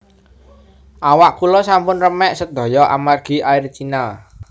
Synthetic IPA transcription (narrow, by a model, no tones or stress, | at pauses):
ʔawaʔkulɔsampʊnrəmɛʔsəd̪̥ɔ̤jɔʔa̰marɡ̥i̤airt͡ʃinal